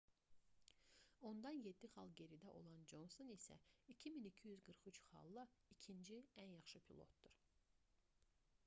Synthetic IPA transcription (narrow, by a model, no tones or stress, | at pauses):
o̞nd̪ɑnje̞d̪ːiχɑlˠɟe̞ɾid̪æʔo̞̰lˠɑnd͡ʒo̞nsonisæ̰icʰiminicʰijyzɡɯɾχyt͡ʃχɑ̰lˠːɯicʰind͡ʒiænjɑχʃɯpʰilˠo̞̰t̪̚d̪̥uɾ̥